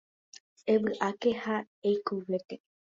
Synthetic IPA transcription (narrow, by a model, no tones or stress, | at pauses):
eβɨʔake̞ha | ejkuwet̪e